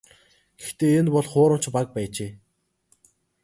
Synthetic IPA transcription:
ɡ̥ext̪eːenpɔɮχʊːɾə̆m̥t͡ɕpak̚pæːt͡ɕeː

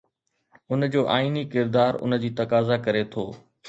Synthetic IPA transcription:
ʊnd͡ʑoːʔaːiːnikɪɾd̪aːɾʊ̰nə̆d͡ʑiːt̪ɐkaːzakɐɾet̪ʰoː

